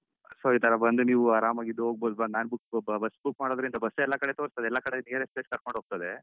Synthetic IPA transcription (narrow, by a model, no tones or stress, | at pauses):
sɐiːt̪ɐɾɐbɐnd̪uniːʋuaːɾaːmaːɡid̪ːuɦoːɡ̚boːd̪ubɐnaːnbukbbɐsːbukmaːɽod̪ɐɾind̪ɐbɐsːɛlːɐkɐɽet̪oːɾst̪ɐd̪eɛlːɐkɐɽeneɾespeʈ̚kɐɾkoɳɖɦoːɡ̚t̪ɐd̪e̞